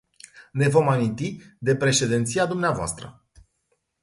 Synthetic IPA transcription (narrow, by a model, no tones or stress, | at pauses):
ne̞vo̞mamint̪id̪e̞pɾe̞ʃe̞d̪ent̪sijad̪umneavoa̰st̪ɾə̰